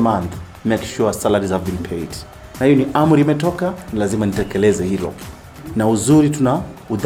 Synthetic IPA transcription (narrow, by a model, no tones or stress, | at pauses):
manθ | mɛkʃuasalaɾizavinpʰɛjt | nahijɔniʔamɾimɛtɔkanilazimanitɛkɛlɛzɛhilɔ̰ | nauzuɾitunauð